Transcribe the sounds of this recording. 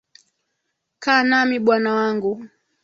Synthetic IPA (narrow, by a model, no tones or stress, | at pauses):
kaːnamiɓwanawaŋɡu